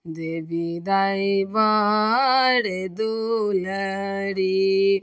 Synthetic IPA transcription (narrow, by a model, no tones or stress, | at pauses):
d̪ebid̪aːiba | ɾed̪uləɾi